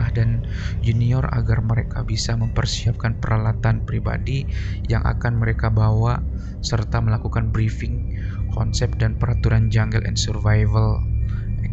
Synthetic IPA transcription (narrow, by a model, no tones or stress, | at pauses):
ahdan | d͡ʒuniɔra̰ɡarməɾekabisaməmpərsiap̚kanpəɾalat̪anpɾiba̰di | ja̰ŋʔa̰kanməɾekabawa | sərt̪aməlakukanbɾifɪŋ | kʰɔnsɛp̚danpəɾat̪uɾand͡ʒaŋɡəlʔɛ̰nsərvajvəl